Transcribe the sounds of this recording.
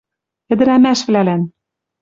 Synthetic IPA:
ɘ̆d̪ɘ̆ɾæmæʃvlælæn

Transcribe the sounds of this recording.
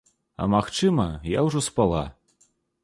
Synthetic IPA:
ɐ̰maxt͡ʂɨmɐjawʐɔspalˠa

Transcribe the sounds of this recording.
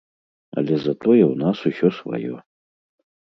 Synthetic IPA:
ɐ̰lʲɛzɐt̪ɔjɛwnasusʲɔsva̰jɔ̰

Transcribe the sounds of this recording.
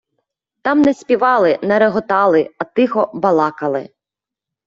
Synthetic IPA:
t̪ɑmnɛsʲpʲiʋɑlˠɪnɛɾeɦɔt̪ɑlˠɪɐt̪ɪxɔbɐlˠɑkɐlˠɪ̰

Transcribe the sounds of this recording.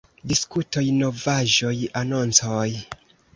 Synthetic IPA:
diskuto̞jno̞vaʒo̞jano̞nt͡soj

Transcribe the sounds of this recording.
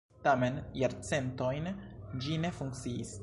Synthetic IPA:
tame̞njaɾt͡se̞nto̞jnd͡ʒine̞fuŋkt͡siːs

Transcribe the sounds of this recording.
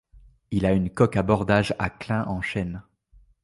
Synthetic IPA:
ilaynkɔkabɔʁd̪aʒaklɛ̃ʔɑ̃ʃɛn

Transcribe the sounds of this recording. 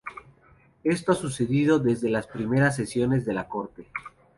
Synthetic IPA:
e̞st̪oasuse̞ðiðo̞ðe̞zðe̞laspɾime̞ɾas̬ːe̞sjo̞ne̞zðe̞lako̞ɾt̪e̞

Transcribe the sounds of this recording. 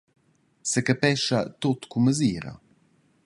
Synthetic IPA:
səkəpɛʃat̪ot̪kuməziːɾɐ̰

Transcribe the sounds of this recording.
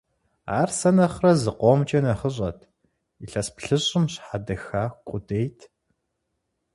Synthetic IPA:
a̰ːrsɐnɐχrɐzɨqʷoːmt͡ʃʼɐnɐχəɕʼɐtʰ | iɬɐspɬɨɕʼɪmɕħadɐxaːxkʷʼʊdeːjtʰ

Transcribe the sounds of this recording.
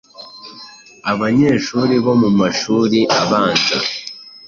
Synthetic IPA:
aβaɲe̞ːʃuːɾiβo̞mumaʃuːɾiʔaβaːnza̰

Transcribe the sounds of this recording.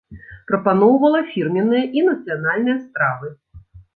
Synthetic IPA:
pɾɐpan̪ɔwvɐlˠɐfʲirmʲɛnːɨjɐʔinɐt̪sɨjanalʲnɨjɐspɾavɨ

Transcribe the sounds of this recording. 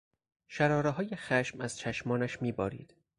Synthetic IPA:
ʃæɾɒːɾeɦɒːjexæʃmæz̥t͡ʃʰæʃmɒːnæʃmiːbɒ̰ːɾḭːd̪̥

